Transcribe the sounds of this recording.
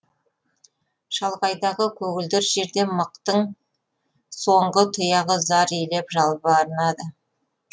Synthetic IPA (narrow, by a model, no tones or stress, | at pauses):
ʃɑlˠʁɑjd̪ɑʁəkʲʰɵɡʲɪld̪ɪɾʒe̞ɾd̪e̞məq̚t̪əɴ | so̞ɴʁət̪ʰʊjɑʁəzɑɾile̞pʒɑlˠbəɑɾənɑd̪ə